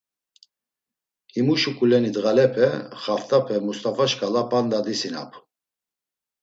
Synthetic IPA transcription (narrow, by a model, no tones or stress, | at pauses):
imuʃukʼulɛnid̪ɣalɛpʰɛχaft̪ʼapʰɛmust̪ʼafaʃkʼalapʼand̪ad̪isina̰pʰ